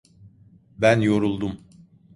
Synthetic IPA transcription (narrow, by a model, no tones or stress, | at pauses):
bænjo̞ɾulˠd̪um